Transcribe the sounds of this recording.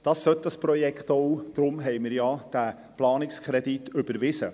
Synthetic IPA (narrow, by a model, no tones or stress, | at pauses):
d̥ɑːsːœt̚dɑsprɔjɛkχt̪oʊd̥ɾʊmɦɛjmɪɾjɑd̥æ | plɑːnɪkskʰɾɛditʏb̥əɾʋɪsə̰